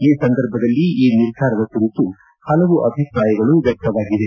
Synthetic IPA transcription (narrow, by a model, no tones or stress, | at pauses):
iːsɐnd̪ɐɾbʱɐd̪ɐlːiiːniɾd̪ʱaːɾɐd̪ɐkuɾit̪u | hɐlɐʋuʔɐbʱipɾaːjɐɡɐɭuʋjɐk̚t̪ɐʋaːɡid̪e